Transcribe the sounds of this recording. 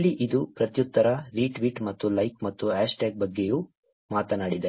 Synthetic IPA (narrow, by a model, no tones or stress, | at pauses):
lːiʔid̪upɾɐt̪jut̪ːɐɾɐɾiːʈʋiːʈmɐt̪ːulɐjkmɐt̪ːuæːʂʈeːk̚bɐɡːejuː | maːt̪ɐnaːɽid̪e